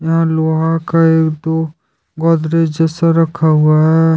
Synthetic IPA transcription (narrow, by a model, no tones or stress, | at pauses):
jɐɦãloːɦakaeːkd̪o | ɡɔːd̪ɾed͡ʒɛsaɾɐkʰaɦuaɦɛː